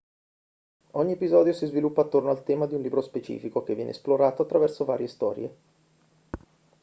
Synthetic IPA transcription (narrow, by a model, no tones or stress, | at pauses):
ɔɲːiepizɔːd̪josizvilupːaːt̪ːornoalt̪ɛːmad̪iunliːbɾospet͡ʃḭːfikok̟evːjɛ̰ːnḛsploɾaːt̪oat̪ːɾavɛrsova̰ːɾjest̪ɔːɾjḛ